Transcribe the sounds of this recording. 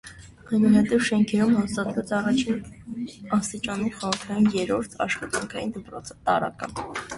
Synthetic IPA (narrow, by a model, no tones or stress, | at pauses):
ɑjnuhɛt̪ɛvʃɛŋkʰɛɾumhɑst̪ɑt̪vɛt͡sɑrɑt͡ʃʰin | ɑst̪it͡ʃɑniχɔʁəɾt̪ʰɑjumjɛɾɔɾt̪ʰɑ̰ʃχɑt̪ɑŋkʰɑjind̪əpɾɔt͡sʰət̪ɑɾɑ̰kɑ̰n